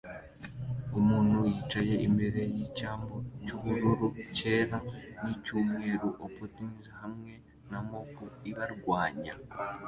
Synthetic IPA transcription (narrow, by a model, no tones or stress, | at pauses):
omuːnujiːt͡ʃaje̞ʔimbeɾe̞jicaːmbo̞cuhuɾuɾuce̞ːɾanicuːmŋe̞ɾuʔopotinizhamŋe̞ | namopuiβaɾɡwaːɲa